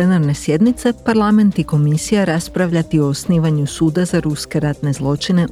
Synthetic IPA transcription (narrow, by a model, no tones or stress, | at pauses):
enaɾne̞sje̞d̪nit̪se̞paɾlˠame̞nt̪iko̞misijaɾaspɾaʋʎat̪io̞ːsniːʋaɲusuːd̪azaɾuske̞ɾat̪ne̞zlˠo̞t͡ʃine̞